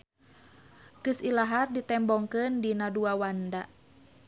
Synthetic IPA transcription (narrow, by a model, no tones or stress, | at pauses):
kɨsilaɦardit̪ɛmbɔŋkɨndinaduawanda